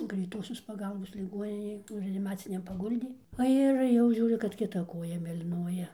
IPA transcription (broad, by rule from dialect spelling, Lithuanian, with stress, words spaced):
ɡrʲɛɪˈtoːsʲoːs pɐˈɡɐlˠboːs lʲɪˈɡoːnʲɪnʲeːj ˈnʊ rʲɛɐnʲɪˈmɑːt͡sʲɪnʲɛm pɐˈɡʊlʲdʲeː oː ˈɪr jɛʊ ˈʒʲuːrʲʊ kɐt kʲɪˈtɐ ˈkoːjɛ mʲeːlʲiːˈnuɔjɛ